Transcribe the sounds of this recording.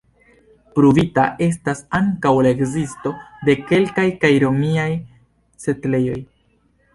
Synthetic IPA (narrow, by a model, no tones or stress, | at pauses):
pɾuvitaʔe̞s̬tasaŋkawlae̞kzisto̞de̞ke̞lkajkajɾo̞miaj | se̞tle̞jo̞j